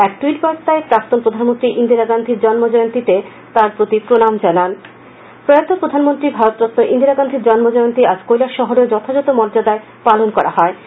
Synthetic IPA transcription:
ɛk̚ʈuiʈpɔt̪aepɾak̚t̪onpɾod̪ʱanmont̪ɾiʔind̪iɾaɡand̪ʱiɾd͡ʑɔnmod͡ʑɔjont̪it̪e | t̪aɾpɾot̪ipɾonamd͡ʑanan | pɾojat̪ːopɾod̪ʱanmont̪ɾibʱaɾot̪̚pɾot̪noʔind̪iɾaɡand̪ʱiɾd͡ʑɔnmod͡ʑɔjont̪iad͡ʑkojlaɾʃɔɦoɾeɾd͡ʑɔt̪ʰad͡ʑɔt̪omɔɾd͡ʑad̪ae | palonkɔɾa̰ɦɔe

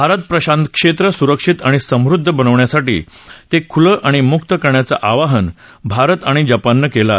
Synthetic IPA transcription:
bʱaɾət̪̚pɾəɕãnt̪kʂet̪ɾəsuɾəkʂit̪aɽ̃isə̃mɾud̪ʱːəbənəʋɳjasaʈḭːt̪ekʰuləʔaɽ̃imukt̪əkəɾɳjat͡sa̰ʔaʋaɦən | bʱaɾət̪aɽ̃id͡ʑapanːəkela̰

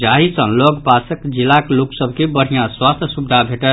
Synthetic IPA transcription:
d͡ʒaɦisə̃lɔɡpasəkd͡ʒilːakloksəbʱkebəɽ̤ijãswast̪ʰəsubd̪ʱabʱeʈət̪

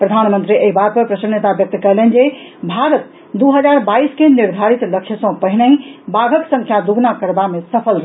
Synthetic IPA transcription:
pɾəd̪ʱanmənt̪ɾiʔeɦibat̪̚pəɾpɾəʃənːet̪abjək̚t̪kəɾlɛnd͡ʒebʱaɾət̪̚ | d̪uɦəd͡ʒaɾbaiskeniɾd̪ʱaɾit̪lək̚t͡ʃʰəsɔ̃pəɦinəĩbaɡʱəksə̃ŋkʰjad̪uɡnakəɾbamesəpʰəlɾ

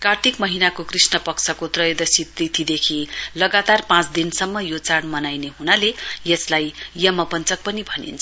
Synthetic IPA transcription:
kart̪ʰikmʌɦinakokrisnʌpʌksʰʌkot̪rʌjʌd̪ʌsit̪rit̪ʰid̪ekʰilʌɡat̪arpãt͡sd̪insʌmːʌjot͡saɽmʌnajneɦunalejʌslajjʌmʌpʌnt͡sʌk̚pʌnibʱʌnḭnt͡sʰ

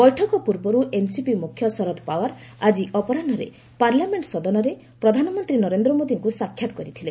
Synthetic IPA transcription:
bɔjʈʰɔkɔpuɾbɔɾuʔensipimukʰjɔsɔɾɔt̪ɔpawaɾad͡ʒiʔɔpɔɾanɔɾḛ | paɾlameɳʈsɔd̪ɔnɔɾe | pɾɔd̪ʱanɔmɔnt̪ɾinɔɾend̪ɾɔmod̪iŋkusakʰːjat̪ɔ̥kɔɾit̪ʰilẽ

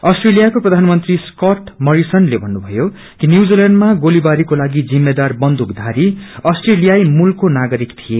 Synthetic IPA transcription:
ʌsʈrelijakoprʌd̪ʱanmʌnt̪riskʌʈmʌɾisʌnlebʱʌnːubʱʌjo | kinjud͡zilaɳɖmaɡolibaɾikolaɡid͡zimːed̪arbʌnd̪ʱukd̪ʱaɾiʌsʈrelijajmulkonaɡʌɾikt̪ʰije

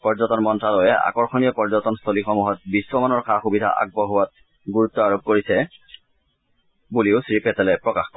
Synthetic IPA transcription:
pɔɹzɔtɔnmɔntɹalɔjɛa̰kɔɹxɔnijɔpɔɹzɔtɔnstʰolixɔmuɦɔt̚biswɔmanɔɹxaxubidʱa̰ʔa̰ɡ̚bɔɦʊwat̚ | ɡuɹutːɔaɹob̚koɹisɛ | buliʊsɹipɛtɛlɛpɹɔkaxkɔ

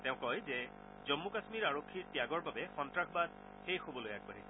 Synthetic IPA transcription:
tɛ̃ʊ̃kɔjzɛ | zɔmːukasmiɹaɹokʰːiɹtijaɡɔɹbabɛxɔntɹaxbad | xejxobɔlojak̚baɦisɛ

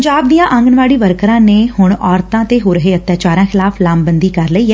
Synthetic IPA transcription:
ɲd͡ʒaːb̚d̪ijãːʔə̃ŋɡnʋaːɽiːʋəɾkɾãːneːhʊɳɔːɾt̪ãːt̪eːɦoːɾəɦeːət̪ːjaːt͡ʃaːɾãːxʰɪlaːpʰlaːmbənd̪iːkəɾləiːɦɛː

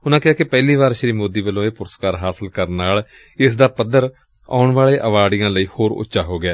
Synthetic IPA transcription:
ʊnãːkɪɦaːkɪpɛːliːʋaːɾʃɾiːmoːd̪iːʋəlːõːeːpʊɾəskaːɾɦaːsɪlkəɾnːaːl | ɪsd̪aːpəd̪əɾ | a̰ːʊɳʋaːɭeːʔəʋaːɖɪjãːləiːhoːɾʊ̰tːʃaːɦoːɡɪaː

